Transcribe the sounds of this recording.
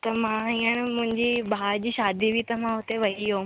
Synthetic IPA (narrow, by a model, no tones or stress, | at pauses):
t̪ɐmãɦĩənɪ̆mʊ̃ɦɪ̃ɲd͡ʑibʱaːɾd͡ʑiːʃaːd̪ʱibʱit̪ɐmãɦʊt̪eʋɐɦiɦoː